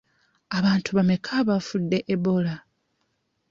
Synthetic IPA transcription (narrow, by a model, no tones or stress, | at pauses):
aβaːntuβame̞kʰaːβafudːe̞ʔebo̞la